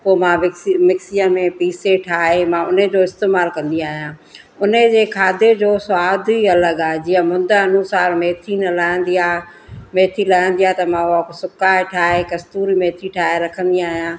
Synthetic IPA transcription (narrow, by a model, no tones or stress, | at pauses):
pomãmɪimɪksijəmẽpiːseʈʰaːɦemãʊned͡ʑoːɪst̪eːmaːlkɐ̃nd̪iaːɦijãː | ʊnəd͡ʑeːkʰaːd̪ed͡ʑoːsʊaːd̪iɐləɡaːɦed͡ʑiːə̃mʊ̃nd̪əɐnʊsaːɾmeːt̪ʰinɐlaːɪ̃nd̪iaː | meːt̪ʰilaːɪə̃n̆d̪iaːt̪ɐmãʊaksʊkaːeʈʰaːɦekɐst̪uːɾimeːt̪ʰiʈʰaːɦeɾɐkʰə̃nd̪iaːɦijãː